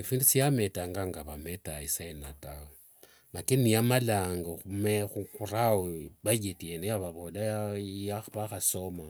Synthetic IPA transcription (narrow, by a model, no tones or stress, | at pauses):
ifiːndusiametaŋɡaŋɡaβametaisaenatao | nakenijamalaːŋɡaxumexukuraoβajetienejaβaβolaajaβaxasoma